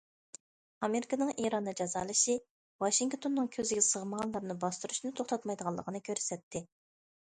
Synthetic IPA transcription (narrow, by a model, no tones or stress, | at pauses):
ɑmeɾɪkɑnɨŋʔiɾɑnːɨd͡ʒɑzɑːlˠɨʃi | wɑʃiŋkt̪ʰonːɨŋkʲʰøzɪɡʲɛsəʁəməʁɑnlˠɑɾnɨbɑst̪uɾuʃnɨt̪ʰoχt̪ʰɑt̪mɑjd̪əʁɑlˠəqʰənɨkʲʰøɾsɛt̪ʰːɪ